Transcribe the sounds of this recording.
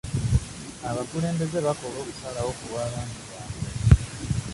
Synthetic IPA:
aβakule̞ːmbe̞ze̞βako̞loːku̥salawo̞kuβaːβaːndiβaːme

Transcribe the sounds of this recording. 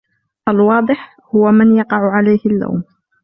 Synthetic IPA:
ʔalwɑːd̪ˤɨħ | hʊwamanjɑqɑʕʊʕalajhɪlːa̰wm

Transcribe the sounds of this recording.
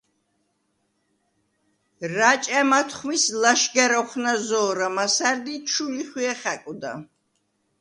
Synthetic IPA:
ɾat͡ʃʼamat̪ʰχmislaʃɡaɾɔχnazɔːɾamasaɾd̪it͡ʃʰuliχwiɛχakʼud̪a̰

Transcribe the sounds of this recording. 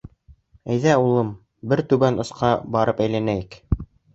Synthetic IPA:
æjðæulˠɤm | bɘɾt̪ʉβænŏsqɑbɑɾɤpæjlænæjɘk

